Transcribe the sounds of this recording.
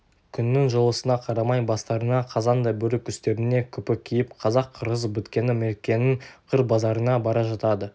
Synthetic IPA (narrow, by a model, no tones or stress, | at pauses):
kʲʰʏnːɪŋʒəlˠəsənɑqʰɑɾɑmɑjbɑst̪ɑɾənɑqʰɑzɑnd̪ɑjbɵɾɪkʲʰʏst̪e̞ɾɪne̞kʲʰʏpɪkʲʰijɪpqʰɑzɑqʰːəɾəzbɵt̪kʲe̞nɪmeɾkʲːe̞nɪŋqʰəɾbɑzɑɾənɑbɑɾɑʒɑt̪ɑd̪ə